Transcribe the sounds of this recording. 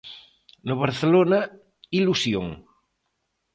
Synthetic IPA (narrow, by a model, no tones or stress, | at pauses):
noβaɾθelona | ilusjo̰ŋ